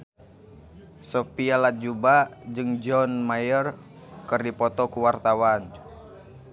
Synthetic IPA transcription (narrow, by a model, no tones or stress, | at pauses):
sɔpialat̪̚d͡ʒubad͡ʒɨŋd͡ʒɔnmajər | kɨrdipɔt̪ɔkuwart̪awan